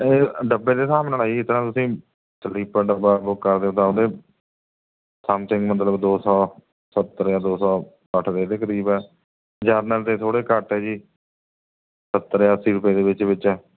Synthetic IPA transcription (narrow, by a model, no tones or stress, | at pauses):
eːɖəbːeːd̪eːsaːmnəlaːiɪt̪nãːt̪ʊsĩː | səliːpaːɖəbaːbʊkːəɾd̪eːʊt̪aːʊd̪eː | səmsɪ̃ŋɡmət̪̬ləbd̪oːsɔː | sət̪ːəɾjaːd̪oːsɔː | əʈʰd̪eːd̪eːkəɾiːbɛː | d͡ʒaːɾnəlt̪eːt̪ʰoːɽeːkəʈɛːd͡ʒiː | sət̪ːəɾjaːsiːɾʊpjeːd̪eːbɪt͡ʃbɪt͡ʃɛː